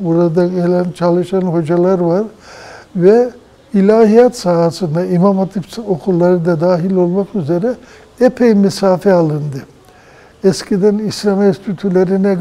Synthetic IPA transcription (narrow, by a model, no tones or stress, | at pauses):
buɾad̪aɟelʲænt͡ʃʰalˠɯʃanɦo̞d͡ʒalˠaɾvaɾ | vɛ | ilʲaːɦijat̪saɦasɯnd̪aimamat̪ʰipokʰulˠːaɾɯd̪ad̪aːɦilʲo̞lˠmakyze̞ɾɛ | epʰejmisaːfɛalˠɯnd̪ɯ | ɛscʰid̪ænislʲamɛst̪ʰyt̪ʰylʲeɾinɛ